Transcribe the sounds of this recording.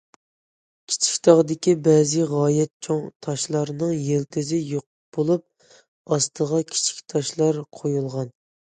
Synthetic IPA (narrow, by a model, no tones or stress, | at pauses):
kʲʰi̥t͡ʃʰi̥kʲt̪ʰɑʁd̪ɪkʲibɛzɪʁɑːjɛt̪̚t͡ʃʰoŋt̪ʰɑʃlˠɑɾnɨŋjelt̪ʰɪzɪjoq̚ | b̥olˠup̚ | ɑst̪ʰəʁɑkʲʰi̥t͡ʃʰi̥kʲt̪ʰɑʃlˠɑɾqʰojulˠʁɑn